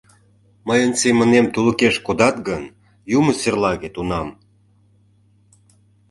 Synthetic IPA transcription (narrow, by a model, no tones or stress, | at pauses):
məjənsemə̆nemt̪uləkeʃkod̪ɑt̪̚ɡən | juməserlɑɣet̪unɑm